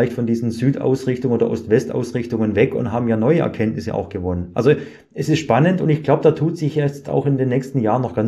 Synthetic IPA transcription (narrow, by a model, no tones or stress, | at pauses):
ɪçtfɔndiːzn̩zyːtʔa̰ʊsʁɪçtʊŋoːdɐ̰ʔɔstv̥ɛsta̰ʊsʁɪçtʊŋənvɛkʊ̰nthɦaːbm̩jaːnɔʏəʔɛ̰ɐkʰɛntnɪsə̰ʔa̰ʊxɡ̥əvɔnənʔa̰lzo | ʔɛsɪstʃpanəntʊntɪçɡ̥laʊbəd̥aːtʰuːtz̥ɪçjɛt͡sta̰ʊxɪndeːnːɛːçstn̩jaːʁənɔxɡ̥an